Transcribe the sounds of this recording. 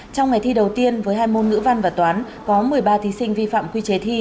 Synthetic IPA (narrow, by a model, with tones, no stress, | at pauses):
t͡ɕɔ˧wŋ͡mŋa˨˩jt̪ʰi˧ɗə˨˩wt̪i˧ənvəː˨˦jɦaː˧jmo˧nŋɨ̰˧˥va˧nvaː˨˩t̪waː˨˦n | kɔ˨˦mɨ˨˩əjɓaː˧t̪ʰi˨˦sï˧ŋ̟vi˧fa̰ː˧˨mkwi˧t͡ɕe˨˦t̪ʰi˧